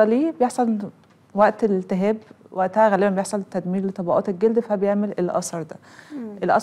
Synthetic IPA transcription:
ɑliːbejeħsˤɑn | wæʔt̪elelt̪eɦæːbwæʔt̪ææɣælebæbejeħsˤɑlt̪ːæd̪miːɾlet̪ˤːɑbɑʔɑ̰ːt̪elɡeld̪fæbejeʕmelelʔɑ̰sˤɑɾˤd̪æʔelʔɑ̰s

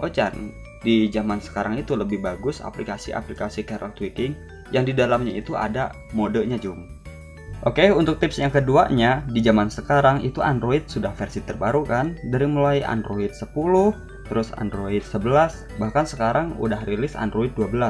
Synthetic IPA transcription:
ʔot͡ʃa̰n | did͡ʒamansə̥kaɾaŋit̪uləbɪhbaɡʊsa̰plikasḭʔa̰plikasikaɾa̰lt̪wikɪŋ | jaŋdidalamɲait̪uʔa̰da | modəɲad͡ʒʊm | ʔokeunt̪ʊk̚t̪ɪpsjaŋkəduaɲadid͡ʒamansəkaɾaŋḭt̪uʔa̰ndɾoit̪̚sudahfərsit̪ərbaɾukandaɾimulaia̰ndɾoɪt̪̚səpulʊh | t̪əɾʊsa̰ndɾoɪt̪̚səbəlas | bahkansəkaɾaŋṵdahrilɪsa̰ndɾoit̪̚duabəla

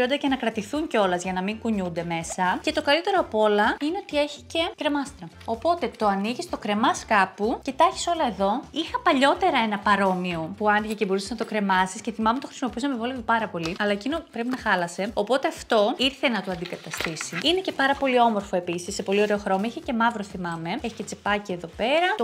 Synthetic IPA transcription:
iond̪ɐʝɐnɐkɾɐt̪iθuɲceo̞lɐzʝɐnɐmiŋkuɲund̪e̞me̞sɐce̞t̪o̞kɐlit̪e̞ɾoɐpo̞lɐine̞o̞t̪ie̞çi̥ce̞kɾe̞mɐst̪iɾoopo̞t̪e̞t̪o̞ɐniʝist̪okɾe̞mɐskɐpuce̞t̪ɐçi̥so̞lɐe̞ðo̞ixɐpɐʎo̞t̪e̞ɾɐe̞nɐpɐɾo̞mio̞puɐnd̪iʝece̞bo̞ɾuseznɐt̪o̞kɾe̞mɐsisce̞θimɐmet̪o̞xɾi̥simo̞piusɐmevo̞livopɐɾɐpo̞liɐlɐecinopɾe̞pinɐxɐlɐse̞o̞po̞t̪e̞ɐft̪o̞iɾθe̞nɐt̪oɐnd̪ikɐt̪ɐst̪isiine̞ce̞pɐɾɐpo̞lio̞mo̞ɾfo̞e̞pisisːe̞po̞lio̞ɾe̞oxɾo̞moiçece̞mɐvɾoθimɐme̞eçi̥ce̞t͡se̞pɐcieðo̞pe̞ɾɐo

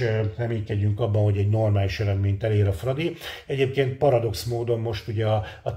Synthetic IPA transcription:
rɛmiːkɛɟyŋkɒbːɒnho̞ɟɛɟno̞rmaːliʃɛɾɛd̪meːɲt̪ɛleːɾɒfrɒd̪iɛɟeːp̚keːnt̪̚pɒɾɒd̪o̞ksmoːd̪o̞mmo̞ʃt̪uɟɛɒɒ

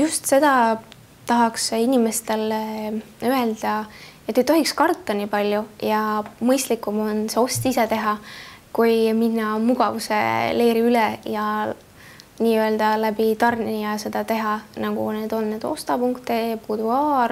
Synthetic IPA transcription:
just̪se̞d̪̥ɑ | t̪ɑɦɑksinʲime̞st̪e̞l | øe̞ld̪̥ɑet̪ːejt̪o̞ɦikskɑrt̪ːɑniːpɑlʲjujɑmɤjst̪likːˑumo̞nse̞o̞st̪ise̞t̪e̞ɦɑkujminːɑmuɡ̥ɑvusḛle̞jɾiylɛjɑ | niːø̞ld̪̥ɑlæbit̪ɑrnijɑse̞d̪̥ɑt̪e̞ɦɑnɑɡ̥ṵne̞ːd̪̥o̞nːeːd̪̥o̞̰st̪ɑpuŋkt̪ˑepuːd̪̥uɑːr

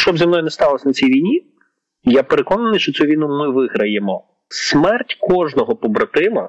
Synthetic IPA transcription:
ʃt͡ʃɔbzʲɐmnɔjʊnɛst̪ɑlˠɐsʲɐnɐt͡sʲijʋʲijnʲi | japeɾekɔnɐnɪjʃt͡ʃɔt͡sʲuʋʲijnumɪʋɪɦɾɐjemɔ | smɛrtʲkɔʒnɔɦɔpɔbɾɐt̪ɪmɐ

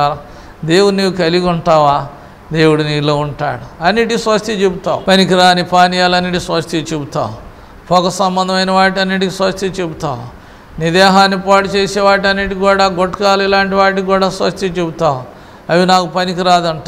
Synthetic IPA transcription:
a | d̪e̞ːwuɽuniːwukɐliɡuɳʈaːʋaː | d̪e̞ːwuɽuniːloːuɳʈa̰ːɽuɐnːiʈiisʋɐst̪ʰjit͡ʃebut̪a̰ːwupɐnikiɾaːnipaːnijaːlɐnːiʈ̬isʋɐʂt̪jit͡ʃebut̪a̰ːwu | pʰɔːkɐsɐmbɐnd̪ɐmɐjnɐʋaːʈ̬ɐnːiʈikisʋɐst̪ʰjit͡ʃebut̪a̰ːwu | nid̪ɛːɦaːnːipaːʈit͡ʃeːsɛːʋaːʈ̬ɐnːiʈikuːɽaːɡoʈːkaːlilaːɳʈiʋaːʈ̬kuːɽaːsʋɐst̪ʰjit͡ʃebut̪aːwu | ɐʋinaːkupɐnikiɾaːd̪ɐɳʈa

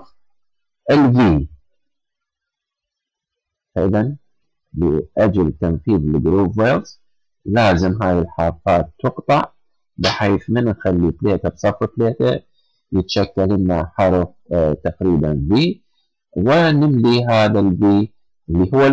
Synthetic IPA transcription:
ʔɪlviː | faʔɪðan | lɪʔad͡ʒalt̪anθiːðlɡɾoːvelz | laːzɪmɦaːjɪlħɑːɾˤfaːt̪ːʊqt̪ˤɑʕ | bɪħeːθmɪnʔxalːifleːʔt̪absˤɑfːfleːʔt̪a | jɪt̪aʃakːalʔɪnːaħɑɾˤf | t̪aqɾiːbanviː | wɪnɪmliɦaːðalviː | ʔɪlːiɦʊwːa

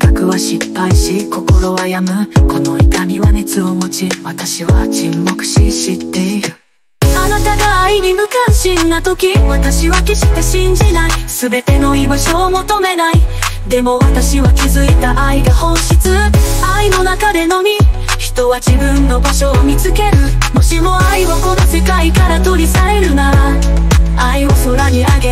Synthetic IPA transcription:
kakɯ̟βaɕipːaiɕiko̞ko̞ɾo̞βajamɯ̟ko̞no̞it̪amʲiβane̞t͡sɨomo̞t͡ɕiβat̪aɕiβat͡ɕimːo̞kɯ̟̥ɕiɕit̪ːe̞iɾɯ̟ | anat̪aɡaːiɲ̟imɯ̟kãɰ̃ɕĩnːat̪o̞kʲiβat̪aɕiβakʲiɕi̥t̪eɕĩɲ̟d͡ʑinaisɨbe̞t̪e̞no̞imɯ̟ɕoːmo̞t̪o̞me̞naid̪e̞mo̞βat̪aɕiβakʲizɨit̪aʔaiɡahõ̞ɰ̃ɕit͡sɨaino̞nakad̪e̞no̞mʲiçi̥t̪o̞βad͡ʑibɯ̟̃nːo̞baɕo̞ːmʲit͡sɨke̞ɾɯ̟mo̞ɕimo̞aiβako̞d̪ose̞kaikaɾat̪o̞ɾʲisaɾe̞ɾɯ̟na | aio̞so̞ɾaɲ̟iaɡe̞

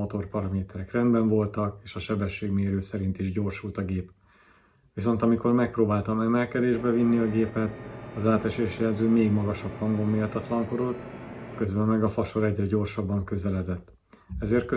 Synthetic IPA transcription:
ot̪o̞rpɒɾɒmeːt̪ɛɾɛkrɛnd̪bɛɱvo̞lt̪ɒkeːʃɒʃɛbɛʃːeːɡmeːɾøːsɛɾint̪iʒɟo̞rʃult̪ɒɡeːp | ʋiso̞nt̪ɒmiko̞rmɛk̚proːbaːlt̪ɒmɛmɛlkɛd̪eːʒbɛvinːiɒɡeːpɛt̪ɒzaːt̪ɛʃeːʃjɛlzøːmeːɡmɒɡɒʃɒbhɒŋɡo̞mːeːlt̪ɒt̪lɒŋkoɾot̪kø̞zbɛmmɛɡɒfɒʃo̞ɾɛɟrɛɟo̞rʃɒbːɒŋkø̞zɛlɛd̪ɛt̪ː | ɛzeːrt̪̚kø

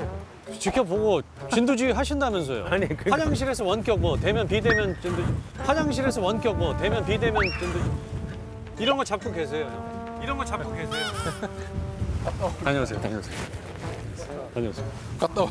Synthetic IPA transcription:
t͡ɕikʰjʌpoɡo | t͡ɕindud͡ʑiiɦaɕʰindamjʌnsʰʌjo̰kad͡ʑaŋɕ̬ʰiɾe̞sʰʌwʌnk͈jʌk̚mwʌtwe̞mjʌnpide̞mjʌnt͡ɕindud͡ʑ | haɲaŋɕʰiɾe̞sʰʌwʌnk͈jʌk̚mʌte̞mjʌnpide̞mjʌnt͡ɕindu | iɾʌnɡʌt͡ɕap̚k͈oke̞s̬ʰejo | iɾʌnɡʌt͡ɕapk͈okwesʰejo | aɲʌasʰejo̰taɲʌ̰asʰejo | aɲʌa̰sʰeo | kat͈a

